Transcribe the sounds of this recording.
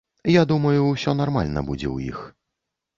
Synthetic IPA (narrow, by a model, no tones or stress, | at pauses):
jad̪umɐjusʲɔnarmalʲnɐ̰bud͡zʲɛ̰wjḭx